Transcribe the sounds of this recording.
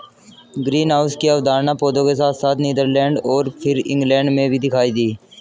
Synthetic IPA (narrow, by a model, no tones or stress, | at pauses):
ɡɾiːnɦaːʊskiəʋd̪aːɾnapoːd̪õkes̬aːt̪ʰsaːt̪ʰniːd̪əɾlɛ̃ːɳɖɔːɾpʰɪɾɪ̰̃ŋɡlɛ̃ːɳɖmẽbʱid̪ɪkʰaːid̪iː